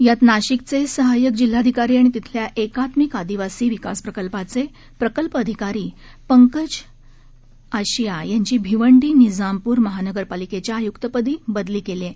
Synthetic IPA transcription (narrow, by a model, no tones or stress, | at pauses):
jat̪naɕikt͡sesəɦajək̚d͡ʑil̤ːad̪ʱikaɾiːaɽ̃it̪it̪ʰljaʔekat̪mikad̪iʋasiːʋikaspɾəkəlpat͡se | pɾəkəlpəd̪ʱikaɾiː | pəŋkəd͡ʑ | aɕijajaɲt͡ɕiːbʱiʋəɳɖiːnid͡zampuːɾməɦanəɡəɾpaliket͡ɕjaːjukt̪əpəd̪iːbəd̪liːkele